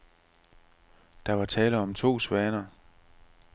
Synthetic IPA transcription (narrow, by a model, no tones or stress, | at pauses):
d̥ɑ̈ʋɑ̈t͡sʰɛːləɒ̽mt͡sʰo̝̰ːsʋɛːnɐ